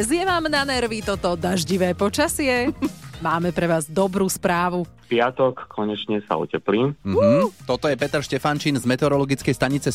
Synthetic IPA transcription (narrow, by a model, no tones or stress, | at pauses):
zɪjɛʋaːmnanɛɾʋit̪ɔt̪ɔd̪aʒɟiʋɛːpɔt͡ʃasɪɛmaːmɛpɾɛʋaːzd̪ɔbɾuːspɾaːʋupɪat̪ɔkːʰɔɲɛt͡ʃɲɛsa̰ṵcɛpliːmm̩t̪ɔt̪ɔjɛpɛt̪ɛɾʃcɛfant͡ʃiːnzmɛt̪ɛɔɾɔlɔɡit͡skɛjst̪aɲit͡sɛ